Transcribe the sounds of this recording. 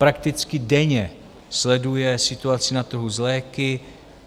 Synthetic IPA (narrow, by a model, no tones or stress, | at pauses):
pɾakt̪ɪt͡skɪdɛɲɛ | slɛdujɛsɪt̪uat͡sɪnat̪r̩ɦuzlɛːkɪ